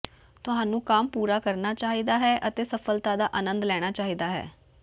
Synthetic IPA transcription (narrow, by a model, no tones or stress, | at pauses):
t̪ʊɦãːnũːkaːmpuːɾaːkəɾnaːt͡ʃaːɦiːd̪aːɦɛːʔət̪eːsəpʰəlt̪aːd̪aːʔaːnə̃nd̪lɛːɽ̃aːt͡ʃaːɦiːd̪aːɦɛ̰ː